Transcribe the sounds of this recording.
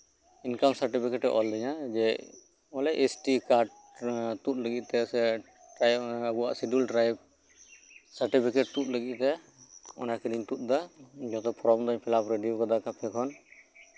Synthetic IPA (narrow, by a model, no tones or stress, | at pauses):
inkamsaɾʈipʰikɛʈɛʔɔld̪ɛɲad͡ʒɛ | ɔlɛʔesʈikaɾɖ | t̪ut̪̚ləɡit̪̚ˀt̪ɛsɛ | ʈajabua̰ʔsiɖulʈɾajb̚ | saɾʈipʰikɛʈ̚t̪ut̪̚ləɡit̪̚t̪ɛ | ɔ̰nakiliɲt̪ut̪̚ˀd̪ad͡ʒɔt̪ɔpʰɔɾɔmd̪ɔɲpʰɛlapɾeɖijɔkad̪akapʰɛkʰɔn